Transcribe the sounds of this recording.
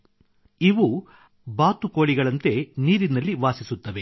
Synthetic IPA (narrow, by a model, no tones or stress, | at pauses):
iʋu | baːt̪uko̞ːɭiɡɐɭɐnt̪e̞niːɾinɐlːiʋaːsisut̪ːɐʋe